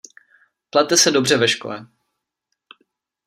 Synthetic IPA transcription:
plat̪ːɛsɛdobr̝ɛvɛʃkolɛ

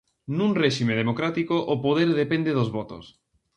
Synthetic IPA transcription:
nũŋreʃimeð̞emokɾat̪ikoʔopoðeɾðepẽnd̪eðozβɔt̪o̰s

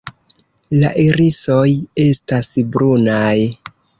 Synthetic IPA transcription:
la̰ʔeɾiso̞je̞stasbɾunaj

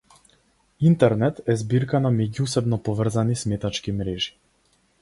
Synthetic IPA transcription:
int̪ɛɾnɛt̪ɛzbiɾkanamɛɟusɛbnɔpɔvr̩zanismɛt̪at͡ʃkimɾɛʒi̥

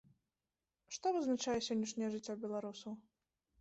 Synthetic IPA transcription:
ʂt̪ɔvɨznat͡ʂajɛsʲɔnʲːɐʂnʲɛjɛʐɨt͡sʲːɔbʲɛlˠaɾusɐw

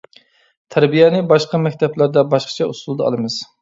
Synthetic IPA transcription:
t̪ʰæɾbijɛnɪbɑʃqɑmɛkʲt̪ʰɛplˠæɾd̪ɛbɑʃqʰɑ̥t͡ʃʰɛusulˠɨd̪ɑɑ̰lˠɨmɨz̥

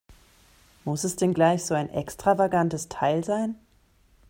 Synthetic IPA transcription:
mʊsɛsd̥ɛnɡlaɪçz̥oːaɪnʔɛ̰kstʁ̥avaɡantəstʰaɪlzaɪn

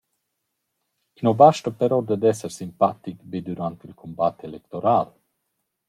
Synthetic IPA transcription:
inobaʃʈ̪əpeɾod̪ed̪ɛseɾsimpat̪ikbid̪uɾant̪ilkʰombat̪ːeelekt̪oɾal

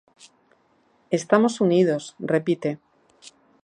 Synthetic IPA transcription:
e̞st̪amo̞suniðo̞srepit̪e̞

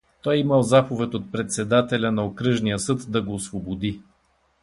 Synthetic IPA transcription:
t̪ɔjiməlˠzapovɛt̪ʲot̪̚pɾɛt̪sɛd̪at̪ɛlʲɐnɐokɾɤʒnijəsɤt̪d̪ɐɡoːsvobod̪i

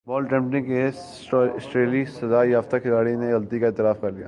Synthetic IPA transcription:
bɔːlʈɛ̃mʈɪ̃ŋke | ʈːɪsʈɾeːlisɐzaːjaːft̪akʰɪlaːɽineɣɐlt̪ikaeːt̪ɪɾaːfkɐɾlija̰ː

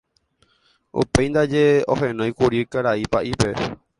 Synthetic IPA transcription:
ṵpe̞jnd̪ad͡ʒeo̰ɦẽnõj̃kuɾikaɾaipaʔipe̞

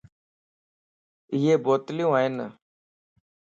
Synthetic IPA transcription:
iːeːboːt̪ljũːaːɦɪn

